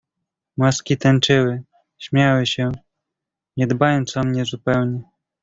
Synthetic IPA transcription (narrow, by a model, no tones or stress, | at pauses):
maskʲit̪ɛnt͡ʂɘwɘ | ɕmʲjawɘɕɛ | ɲɛd̪bajɔnt̪sɔmɲɛzupɛwɲɛ